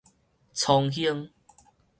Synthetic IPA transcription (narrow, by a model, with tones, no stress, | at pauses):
t͡sʰɔ˧ŋɦi˦əŋ